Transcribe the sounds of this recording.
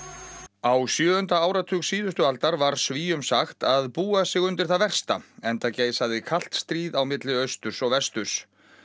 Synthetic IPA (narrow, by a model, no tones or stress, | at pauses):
awsjœːðʏnt̪aaːwɾat̪ʰʏːksiːðʏst̪ʏalt̪aɾvaɾ̥sviːjʏmsaxt̪aðpuːasɪɣʏnt̪ɪɾ̥θaðvɛr̥st̪aɛnt̪aceːjsaðɪkʰal̥t̪st̪ɾiːðawmɪt̪lɪœɥst̪ʏɾ̥sɔɣvɛst̪ʏɾ̥s